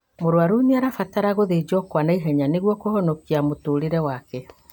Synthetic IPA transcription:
moɾwaɾuɲaɾafataɾaɣoðed͡ʒɔkwanaiɦɛɲaneɣwɔkohɔnɔkiamotoːɾeɾɛwakɛ

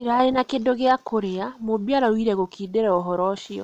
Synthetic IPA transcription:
eɾaɾenakedoɣeakoɾeamobiaɾawiɾɛɣokʰideɾɛɔɦɔɾɔʃiɔ̰

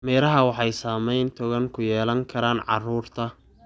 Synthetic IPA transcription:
mɛːɾɐɦɐwɑħɑjsaːmɛjnt̪ʰɔɣɐŋkʰʊjɛːlɐŋkʰɐɾaːnʕɑ̰ruːrt̪ʰɐ

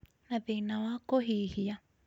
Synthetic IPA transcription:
nãðinãakoɦihija

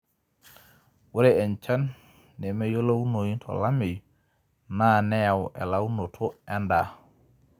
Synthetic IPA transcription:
wuɾɛɛnt͡ʃanː | ɛmɛjolawnojintʰɔ̰lamij | nanɛjawɛ̰lawnotʰɔɛnda

